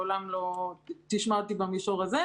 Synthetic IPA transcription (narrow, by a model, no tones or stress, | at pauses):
olamlo̞t̪iʃmat̪ibamiʃoʁaze